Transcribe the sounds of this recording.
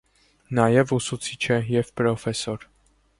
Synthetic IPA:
nɑjɛvusut͡sʰit͡ʃʰɛjɛvpɾɔfɛsɔɾ

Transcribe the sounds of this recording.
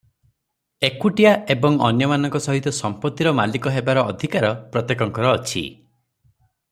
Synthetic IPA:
ekuʈijaebɔŋɔnjɔmanɔŋkɔsɔɦit̪ɔsɔmpɔt̪ːiɾɔmalikɔɦebaɾɔːd̪ʱikaɾɔpɾɔt̪jekɔŋkɔɾɔːt͡ʃʰḭ

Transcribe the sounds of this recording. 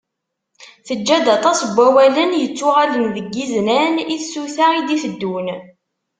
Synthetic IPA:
θəd͡ʒːæd̪ɑt̪ˤɑsbʷːæwælənjət͡sːʊʁalənðəɡːiznæniθsuθaid̪ifəd̪ːun

